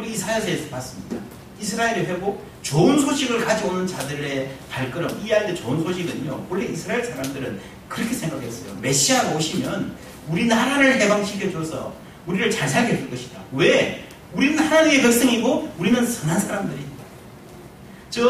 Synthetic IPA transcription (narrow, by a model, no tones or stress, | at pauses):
uɾisʰaesʰesʰʌ̥pas͈ɯmɲida | is̬ʰɯɾaeɾɯɸeɡo | t͡ɕoɯnsʰoɕʰiɡɯɭkad͡ʑionɯnt͡ɕadɯɾe̞paɭk͈ɯɾʌmijeɦaɭt͈e̞t͡ɕoɯnsʰoɕʰiɡɯɲo̰wʌɭːeisʰɯɾaeɭsʰaɾamdɯɾɯn | kɯɾʌkʰesʰe̞ŋɡakʰe̞s͈ʌjo̰me̞ɕ͈iaɡaoɕʰimjʌn | uɾinɯnhanaɾɯɭɦe̞baŋɕʰikʰjʌd͡ʑosʰʌ̰ | uɾiɾɯɭt͡ɕaɭsʰaɭkʰeesʰɯɭk͈ʌɕʰi̥dawe̞ | uɾinɯnhanaɲime̞pjʌk̚s͈ʌŋiɡouɾinɯnsʰɯnɦansʰaɾamdɯɾida | t͡ɕʌ